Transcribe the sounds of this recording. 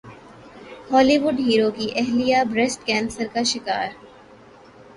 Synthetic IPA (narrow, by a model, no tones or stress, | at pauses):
hɔːliʋʊɖɦiːɾokiʔɛɦlijabɾɛsʈkɛ̃ːnsəɾkaʃɪkaːɾ